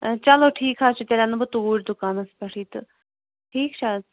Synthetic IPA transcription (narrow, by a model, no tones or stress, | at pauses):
t͡ʃɐloːʈʰiːkɦaːt͡ʃʰit̪ʲelʲanɐbɨt̪uːɾʲd̪ʊkaːnɐspɐʈʰiːt̪ɨ̰ | ʈʰiːkt͡ʃʰa